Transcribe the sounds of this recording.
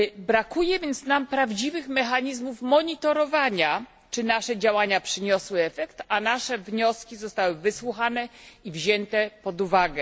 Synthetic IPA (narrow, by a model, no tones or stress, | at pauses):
bɾakujɛvʲjɛnt̪snampɾavd͡ʑivɘxmɛxaɲizmufmɔɲit̪ɔɾɔvaɲa | t͡ʂɘnaʂɛd͡ʑawaɲapʂɘɲɔswɘɛfɛkt̪anaʂɛvɲɔskʲizɔst̪awɘvɘswuxanɛivʑɛnt̪ɛpɔd̪uvaɡɛ